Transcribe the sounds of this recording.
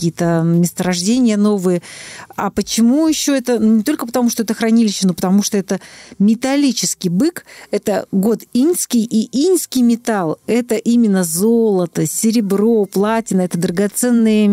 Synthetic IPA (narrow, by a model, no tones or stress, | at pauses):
kʲijət̪əmʲɪst̪əɾɐʐdʲenʲɪjəno̞vɨjəapət͡ɕɪmujɪɕːoɛt̪ənunʲɪt̪o̞lʲkəpət̪ɐmuʂt̪oɛt̪əxɾɐnʲilʲɪɕːɪno̞pə̥t̪ɐmuʂt̪oɛt̪əmʲɪt̪ɐlʲit͡ɕɪskʲɪjbɨkɛt̪əɡo̞t̪inʲskʲɪjʔiinʲskʲɪjmʲɪt̪alˠɛt̪əʔimʲɪnːəzolˠət̪əsʲɪɾʲɪbɾo̞plˠatʲɪnəɛt̪əd̪ɾəɡat̪sɛnːɨjə